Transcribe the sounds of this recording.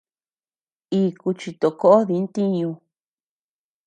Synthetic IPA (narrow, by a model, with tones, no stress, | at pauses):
iː˧ku˧t͡ʃi˧t̪o˨ko˦o˦ði˧˦nt̪i˦ɲũ˧